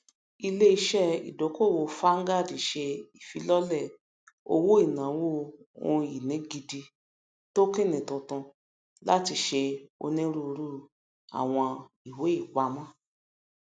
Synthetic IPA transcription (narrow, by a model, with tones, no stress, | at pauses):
i˧le˦i˧ʃɛ˦ḭ˨do˨˦ko˦˨wo˧fa˦ŋ̩˦ɡa˦˨di˨ʃe˧i˨fi˨˦lɔ˦lɛ˦˨ | o̰˧wo˦i˦˨nã˨˦wo˦õ̰˧i˨nĩ˨˦ɡi˧di˧ | to˦ke˦˨nĩ˨tɔ̃˧tũ˧ | la̰˦ti˧ʃe˧o̰˧nĩ˦ɾu˦˧ɾu˦ | a̰˨w̃ɔ̃˧ | i˨we˨˦i˦˨ɡ͡ba˨˦mã˦